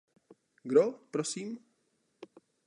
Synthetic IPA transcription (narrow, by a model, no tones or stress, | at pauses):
ɡɾopɾɔsim